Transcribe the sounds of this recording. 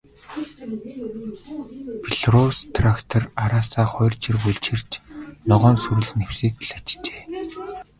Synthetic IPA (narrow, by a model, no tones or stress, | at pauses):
pʰiɮrɔwst̪ʰrakt̪ʰɔraɾaːsaːχɔjrt͡ɕʰirpuɮt͡ɕʰĭr̥t͡ɕnɔʁɔːnsuɾɘ̆ɮɘ̆newsiːk̚t̪ɮḁt͡ɕt͡ɕe̥ː